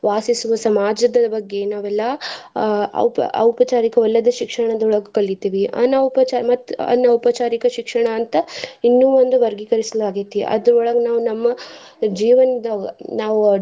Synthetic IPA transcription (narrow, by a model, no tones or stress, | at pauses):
ʋaːsisuʋɐsɐmaːd͡ʒɐd̪ɐbɐɡːe̞naːʋɛlːɐ | ɐ̰wpɐ̰ɐ̰wpɐt͡ʃaːɾikɐʋɐlːɐd̪ɐʃikʂɐɳɐd̪ɐɔɭɐɡɐkɐɭːit̪iːʋiʔɐ̰nɐwpɐt͡ʃaɾmɐt̪ːɐ̰nːɐwpɐt͡ʃaːɾikɐʃikʂɐɳɐːnt̪ɐinːuːʋond̪uʋɐɾɡikɐɾisɐlaːɡit̪ːiḭʔɐ̰d̪ɐɾɔɭɐɡɐnaːʋunɐmːɐ | d͡ʒiːʋɐnɐd̪ɐɡɐnaːʋu